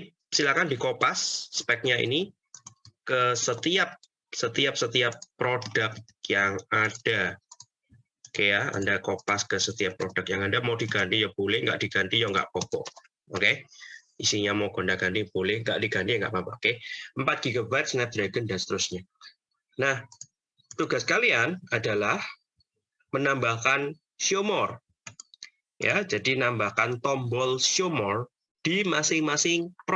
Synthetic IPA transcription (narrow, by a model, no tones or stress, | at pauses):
silahkandikopasːpɛk̚ɲaḭni | kəsət̪iap̚ | sət̪iap̚sət̪iapːɾod̥ək̚ | jaŋad̥a | kəjaa̰ndakopaskəsət̪iapːɾodək̚jaŋandamawdiɡant̪ijɔb̥olɪhŋɡa̰ʔd̥iɡ̥ant̪ijɔŋɡa̰ʔpɔbɔ̰ʔ | oke | isiɲamawɡ̥o̤ndaɡ̥ant̪ib̥olɪhŋɡa̰ʔd̥iɡant̪iaŋɡaʔmapakeəmpat̪̚ɡ̥iɡabat̪snɛp̚d̪ɾaɡəndasə̥t̪əɾʊsɲa | nah | t̪uɡahskalianadalah | mənambahkan | sjomɔr | ja̰d͡ʒadinambahkant̪ɔmbɔlsjomɔr | d̥imasɪŋmasɪŋp